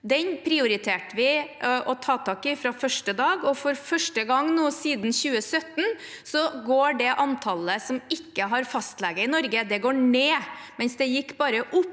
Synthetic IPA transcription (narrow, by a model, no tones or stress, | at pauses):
d̪ɛnpʰɾɪʊɾɪt̪ʰeːʈəʋɪʔɔt̪ʰɑːt̪ʰɑːkɪfɾɑfœʂʈəd̪ɑːɡɔfɔɾfœʂʈəɡɑŋːnuːsiːd̪n̩çʉːəsœt̪ːn | sɔɡoːɖɛʔɑnt̪ʰɑləsɔmɪkːəɦɑɾfɑst̪lɛɡəɪnɔɾɡəd̪ɛɡoːɳeːmɛnsd̪ɛjɪkːbɑːɾəʔʊpː